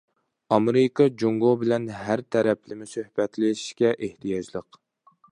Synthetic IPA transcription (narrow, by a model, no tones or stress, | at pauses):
ɑmeɾɨkʰɑd͡ʒoŋɡobɪlɛnɦæɾt̪ʰɛɾɛplɪmɪsøhbɛt̪lɪʃi̥ʃkʲɛʔeht̪ʰijɑd͡ʒlˠəq